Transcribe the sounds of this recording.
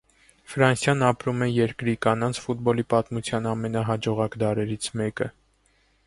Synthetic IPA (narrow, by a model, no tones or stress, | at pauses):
fɾɑnsjɑnɑpɾumɛjɛɾkɾikɑnɑnt͡sʰfut̪̚bɔlipɑt̪mut͡sʰjɑnɑmɛnɑɦɑd͡ʒɔʁɑkd̪ɑɾɛɾit͡sʰmɛkə